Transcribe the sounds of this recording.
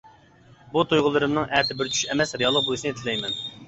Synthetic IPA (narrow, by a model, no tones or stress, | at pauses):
but̪ʰujʁʊlˠɨɾɨmnɨŋʔɛt̪ʰɪbɪɾt͡ʃʰy̥ʃɛmɛsɾijɑlˠːəq̚bolˠɨʃnɨt̪ʰɪlɛjmɛn